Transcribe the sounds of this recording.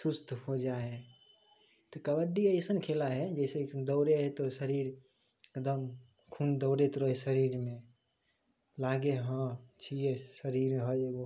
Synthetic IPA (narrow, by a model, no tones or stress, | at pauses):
sust̪ʰhod͡ʒae | t̪ɔkəbəɖiəɪsənkʰelaɦɛd͡ʒəɪsed̪ɔʊɾeɦɛt̪osəɾiɾ | ekd̪əm | kʰund̪ɔʊɾet̪ɾoɦesəɾiɾmẽ | laɡeɦə̃t͡ʃʰijesəɾiɾɦəeɡo